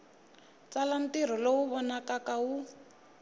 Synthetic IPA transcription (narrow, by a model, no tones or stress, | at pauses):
t͡salan̩tir̤ɔlowuβɔnakakau